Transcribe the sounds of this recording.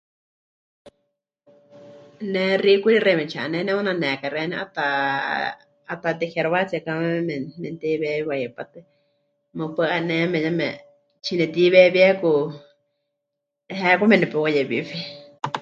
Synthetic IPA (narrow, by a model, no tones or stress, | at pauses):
nɛ̃rikuɾirɛmɛ̃t͡ʃʰaʔanɛnɛ̃ũnãnɛ̃kaɾɛnɛ̃ʔat̪a | at̪at̪ɛxeɾoβat͡siakamɛɛmɛmɛnt̪ɛβɛwajɛpat̪ɨ | mɨ̃pɨanɛ̃mɛ̃jamɛ̃ | t͡ʃʰinɛt̪iβɛβjɛku | ɦɛkʷamɛ̃nɛpɛwajɛβiɸi